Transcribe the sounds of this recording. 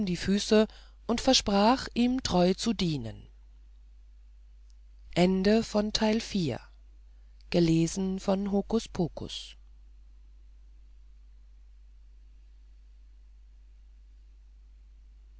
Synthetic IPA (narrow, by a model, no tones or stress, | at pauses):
mdiːfyːsə | ʔʊntfɛɐʃpʁ̥aːχʔiːmtʁ̥ɔʏt͡sudiːnə̰n | ʔɛndəfɔntʰaɪlfiːɐ | ɡ̥əleːzn̩fɔnɦoːkʊspʰoːkʰʊ̰s